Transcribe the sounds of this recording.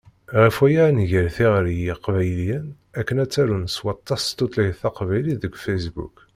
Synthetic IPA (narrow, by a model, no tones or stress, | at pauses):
ʁəfwæjanʝəɾθiʁɾjiqvæjljæn | ækːənæt͡sːæɾunswɑt̪ˤːɑst̪ot̪ˤlijθɑqvæjliðəɡfæsbṵk